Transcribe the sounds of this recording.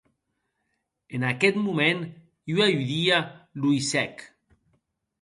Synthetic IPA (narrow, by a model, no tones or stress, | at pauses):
enaket̪mumẽn | iwajuðialuisɛk